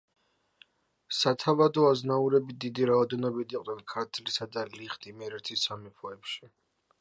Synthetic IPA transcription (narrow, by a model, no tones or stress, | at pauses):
sat̪ʰavad̪ɔaznauɾɛbid̪id̪iɾaɔd̪ɛnɔbid̪iqʼd̪nɛnkʰaɾt̪ʰlisad̪aliχd̪imɛɾɛt̪ʰisamipʰɔɛpʃi